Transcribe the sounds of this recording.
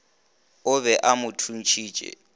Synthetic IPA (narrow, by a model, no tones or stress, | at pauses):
ʊβɛʔamʊtʰun̩t͡ʃʰiːt͡ʃʼɛ̰